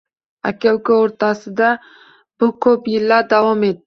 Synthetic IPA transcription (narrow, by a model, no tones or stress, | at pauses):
a̰kʲawkaoɾt̪ɑsɨd̪a | b̥ʊkʰopjɪlːad̪awɑmed̪